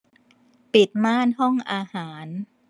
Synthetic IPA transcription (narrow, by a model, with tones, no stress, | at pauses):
pi˨˩t̪̚maː˥˩nhɔ˥˩ŋʔaː˧haː˩˦n